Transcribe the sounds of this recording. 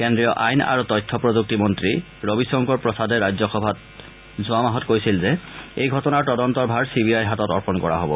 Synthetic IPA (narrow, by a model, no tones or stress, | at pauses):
kɛndɹijɔʔajna̰ɹutɔjtʰːɔpɹɔzuk̚timɔntɹi | ɹobisɔŋkɔɹpɹɔsadɛɹajzɔxɔbʱat̚ | zʊamaɦɔtkojsilzɛejɡʱɔtɔnaɹtɔdɔntɔɹbʱaɹsibiajɦatɔtɔɹpɔnkɔɹa̰ɦobɔ̰